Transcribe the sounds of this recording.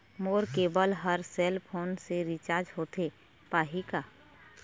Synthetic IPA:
moːɾkeːbəlɦəɾseːlpʰoːnseɾit͡ʃaːɾd͡ʒɦoːt̪e | paːɦikaː

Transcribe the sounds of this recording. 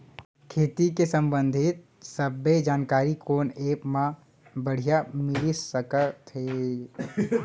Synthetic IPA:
kʰeːt̪ikesə̃mbə̃nd̪ʱɪt̪̚ | səbːed͡ʒaːnkaːɾikoːneːpmã | bəɽ̤ijamɪlisəkət̪ɦe

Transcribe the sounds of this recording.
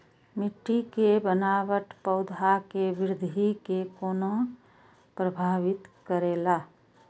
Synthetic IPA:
mɪʈːikebənaːʋəʈpəʊd̪ʱakeʋɪɾɪd̪ʱikekoːnõ | pɾəbʱaːʋɪt̪kəɾeːlaː

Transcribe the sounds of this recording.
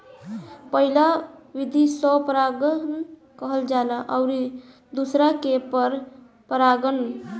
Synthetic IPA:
pəɦilaʋid̪ʱisɔpəɾaɡən | kəɦəld͡ʒalaʔaʊɾi | d̪usɾakepəɾ | pəɾaɡən

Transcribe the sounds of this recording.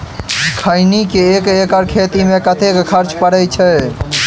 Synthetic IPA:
kʰəɪnikeeːkekəɾkʰeːt̪imẽkət̪ʰekkʰəɾt͡ʃpəɾəjt͡ʃʰə

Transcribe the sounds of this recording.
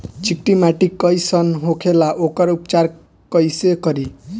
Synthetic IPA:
t͡ʃik̚ʈimaʈikːʌjsʌnɦokʰelaʔokʌɾupt͡ʃar | kʌjsekʌɾi

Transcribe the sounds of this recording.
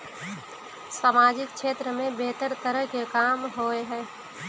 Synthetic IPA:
saːmaːd͡ʒɪkt͡ʃʰeːt̪ɾəmẽbeːt̪əɾt̪əɾəɦkekaːmɦoeɦɛː

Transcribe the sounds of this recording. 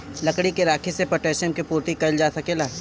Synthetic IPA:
lɐkɽikeɾaːkʰisepɐʈeːʃəmkipuːɾt̪ikɐld͡ʒaːsɐkelaː

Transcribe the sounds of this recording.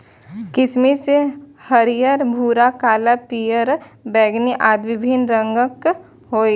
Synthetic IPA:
kɪsmesehəɾijəɾbʱuːɾakaːlapijəɾbɛːɡniʔaːd̪ʋɪbʱinɾə̃ŋɡək | ɦoːi

